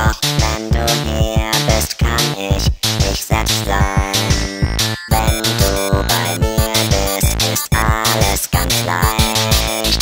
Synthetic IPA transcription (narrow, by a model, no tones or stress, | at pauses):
ɔχvɛnduːhiːbɪstkʰanɪçdɪçz̥ɛlpstz̥aɪnvɛnduːbaɪmiːbɪstɪstʔaləsɡ̥ant͡sla̰ɪçt